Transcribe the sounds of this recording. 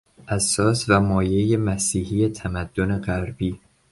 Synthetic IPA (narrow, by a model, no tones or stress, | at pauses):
ʔæsːɒːsvæmɒːje̞jemæsiːhiːjet̪ʰæmæd̪̥ːone̞ɢæɾbiː